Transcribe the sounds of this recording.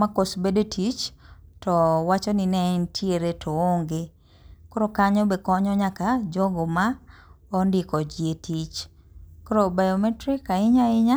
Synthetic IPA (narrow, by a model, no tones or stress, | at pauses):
makosbedotʰit͡ʃtɔwat͡ʃɔninɛntʰjeɾetʰɔoŋɡe | koɾokaɲɔbekɔɲɔɲakad͡ʒɔɡoma | ɔndɪkɔd͡ʒjetit͡ʃ | koɾobajɔmɛtɾikaɪɲaɪɲa